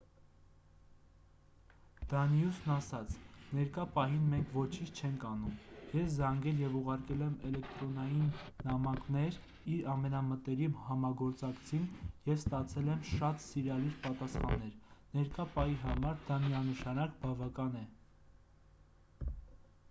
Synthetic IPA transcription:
d̪̥ɑnjusnɑsɑt͡sʰnɛɾkɑpɑɦinmɛŋkʰvɔt͡ʃʰint͡ʃʰt͡ʃʰɛŋkʰɑnumjɛszɑŋɡɛljɛvuʁɑɾkɛlɛmɛlɛkt̪ɾɔnɑjinːɑmɑknɛɾ | iɾɑmɛnɑmət̪ɛɾihɑmɑɡɔɾt͡sɑkt͡sʰinjɛvst̪ɑt͡sʰɛlɛmʃɑt̪siɾɑliɾpɑt̪ɑsχɑ̰nːɛɾnɛɾkɑpɑiɦɑmɑɾd̪ɑmiɑnəʃɑnɑkbɑvɑkɑnɛ

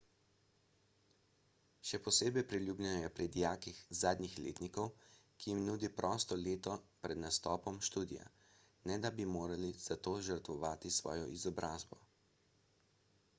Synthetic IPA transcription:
ʃɛpɔseːbɛjpɾilʲjuːblʲɛnɔjɛpɾid̪ijaːkixzaːd̪nʲixlḛːt̪nikɔwkijimnuːd̪ipɾʔɔːst̪ɔleːt̪ɔpɾɛd̪nast̪ɔːpɔmʃt̪uːd̪ḭja̰ | nɛd̪abimoːɾaliz̥at̪oːʒəɾt̪ʋɔʋaːt̪isʋɔ̰ːjɔ̰ʔizɔbɾaːzbɔ

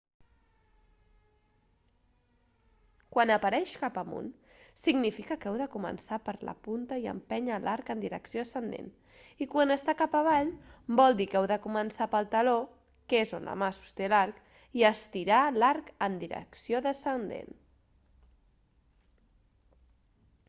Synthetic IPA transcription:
kwanəpəɾɛʃkapəmṵnsiɡnifikəkɛwðəkumə̰nsapəɾlə̰punt̪əiə̰mpɛɲəlʔaɾkənd̪iɾə̰ksioðəsənd̪ḛn | ikwanəst̪akapəβ̞aʎbɔlˠd̪ikɛwðəkumənsapəlˠt̪əlo | kezo̰nlə̰masu̥st̪elaɾk | iəst̪iɾalaɾkənd̪iɾə̰ksioðəsənd̪ḛn

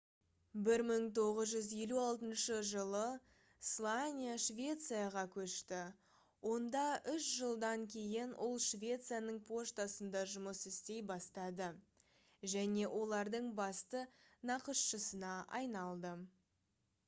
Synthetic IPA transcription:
bɪɾməɴt̪ʰo̞ʁəzʒʏzje̞luɑlˠt̪ənʃəʒəlˠə | slˠanʲijaʃvʲe̞t̪sɨjaʁɑkʲʰɵʃt̪ɪ | wo̞nd̪ɑʏʃʒəlˠd̪ɑŋkʲʰe̞jɪnʔʊlˠʃvʲe̞t̪sɨjanəɴpʰo̞ʃt̪ɑsənd̪ɑʒʊməsɪst̪e̞jbɑst̪ɑd̪ə | ʒæne̞wʔo̞lˠɑɾd̪əɴbɑst̪ənɑqəʃʃəsənɑʔɑ̰jnɑlˠd̪ə

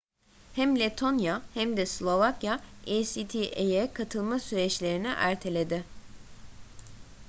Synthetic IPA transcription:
hæmlʲet̪ʰo̞njahæmd̪ɛslʲˠo̞vakjaesit̪ʰiʔejɛkʰat̪ʰɯlˠmasyɾɛt͡ʃlʲe̞ɾinɪ̰ʔæɾt̪ʰe̞lʲe̞d̪ɪ

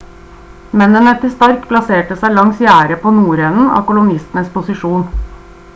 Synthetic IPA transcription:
mɛnənət̪ʰɪst̪ɑɾkpʰlɑseːʈəsæɪlɑŋsjæːɾəpʰoːnuːɾɛnn̩ɑ̰ːkʊlʊnɪst̪n̩əspʊsɪʂuːn

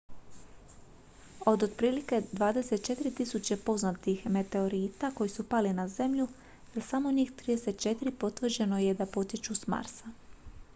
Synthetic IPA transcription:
o̞d̪od̪pɾiːlike̞d̪ʋaːd̪e̞se̞t̪̚t͡ʃe̞t̪iɾit̪isut͡ɕepo̞znat̪ixme̞t̪e̞o̞ɾiːt̪ako̞jisupalinaze̞mʎu | asamo̞ɲiːxt̪ɾiːd̪e̞se̞t̪̚t͡ʃe̞t̪iɾipo̞t̪ʋr̩d͡ʑe̞no̞je̞d̪apo̞t̪it͡ʃusma̰ɾsa

